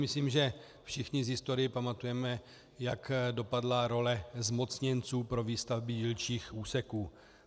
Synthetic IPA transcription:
mɪsliːmʒɛ | fʃɪxɲɪzɦɪst̪o̞ɾɪjɪpamat̪ujɛmɛ | jakdo̞padlaɾo̞lɛzmo̞t͡sɲɛnt͡suːpɾo̞viːst̪avbɪjilt͡ʃiːxʔuːsɛkuː

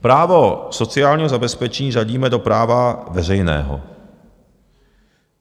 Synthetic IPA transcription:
pɾaːvoso̞t͡sɪaːlɲiːɦozabɛspɛt͡ʃɛɲiːʒaɟiːmɛdo̞pɾaːvavɛr̝ɛjnɛ̰ːɦo̰

